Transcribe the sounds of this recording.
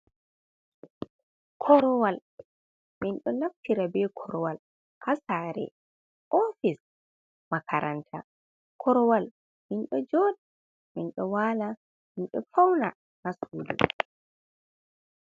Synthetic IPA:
kʰɔɾɔwal | minɗɔnaftiɾabɛkʰɔɾɔwal | kasaːɾɛ̰ | ʔɔfis | makʰaɾʔa̰ntʰa | kʰɔɾwal | minɗɔd͡ʒɔːdi | minɗɔwaːla | minɗɔfawna | nasuːdṵ

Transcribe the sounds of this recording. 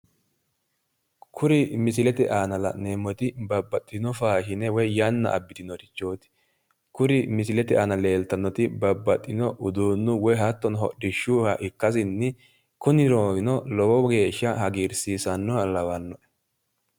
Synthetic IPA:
kʰʊɾɪmɪsɪlɛt̪ɛʔaːnɐlɐ̰neːmːɔt̪ɪbɐbːɐt̪ʼːɪnɔfaːʃɪnɛwɔjjɐnːɐ̰ʔɐ̰bːɪt̪ɪnɔt̪ɪ̥t͡ʃːoːt̪ɪ̥ | kʊɾɪmɪsɪlɛt̪ɛʔaːnɐle̞ːlt̪ɐnːɔt̪ɪbɐbːɐt̪ʼːɪnɔʔʊd̪uːnːʊwɔjɦɐt̪ːɔnɦɔ̰dɪʃːuːhɐʔɪkːɐs̬ɪnːɪ | kʊnɪɾoːɡɪnɔlɔwɔɡe̞ːʃːɐhɐɡiːɾsiːsɐnːɔhɐlɐwɐnːɔʔɛ̥

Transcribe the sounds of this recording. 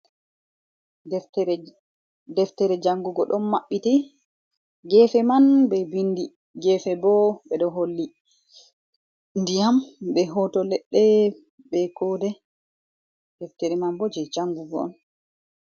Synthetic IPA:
dɛftɛɾɛd͡ʒaŋɡuɡɔɗɔnːaɓːiti | ɡɛːfɛmanbɛbindi | ɡɛfɛbɔɓɛɗɔɦolːi | ndijambɛɦɔtɔlɛɗːɛ | bɛkɔdɛ | d̥ɛftɛɾɛmanbɔd͡ʒɛd͡ʒaŋɡuɡɔ̰ɔ̰n

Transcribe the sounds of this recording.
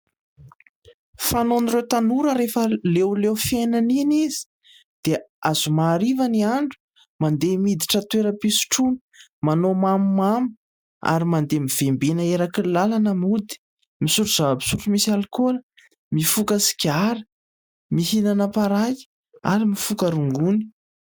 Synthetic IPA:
fanoniɾewt̪anuɾəɾefəlewlewfenaninizi̥ | d̪̥eazumaːɾivaniaɳɖ͡ʐu̥ | mand̪emid̪iʈ͡ʂət̪weɾəpisu̥ʈ͡ʂuni̥manomamumam | a̰ɾimand̪emiv̥embenəeɾakilalanəmud̪i̥ | misuʈ͡ʂuz̥avabi̥suʈ͡ʂumisalkolə | mifukəsi̥kʲiaɾə̥ | miɦinanəpaɾaji̥ | aɾimifukəɾuŋɡuni̥

